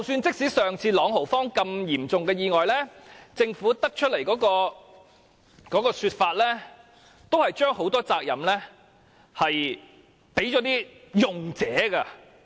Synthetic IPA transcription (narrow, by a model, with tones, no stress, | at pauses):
t͡sɐ˨wsyː˧nt͡sɪ˥k̚siː˨˥sœː˨ŋt͡sʰiː˧lɔː˨˥ŋɦo˨˩wfɔː˥ŋkɐ˧mjiː˨˩mt͡sʊ˨ŋkɛː˧jiː˨ŋɔː˨˩jlɛː˥t͡sɪ˧ŋfuː˨˥t̪ɐ˥k̚t͡ʃʰɵ˥t̚le˨˩jkɔː˨˥kɔː˧ | kɔː˨˥kɔː˧syː˧t̚faː˧t̚lɛ˥ | t̪o˥whɐ˨jt͡ʃœː˥ŋho˨˥wt̪ɔː˥t͡saː˧k̚jɐ̰˨˩mlɛː˥ | hɐ˨j | pe˨˥jt͡ʃɔː˨˥t̪iː˥jʊ˨ŋt͡sɛː˨˥kɐ˧